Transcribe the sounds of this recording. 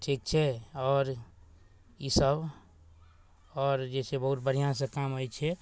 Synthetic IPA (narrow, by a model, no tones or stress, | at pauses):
ʈʰik̚t͡ʃʰɛɔːɾ | isəb | ɔːɾd͡ʒet͡ʃʰebəɦut̪̚bəɾ̤ijãs̬ə̃kamojt͡ʃʰɛ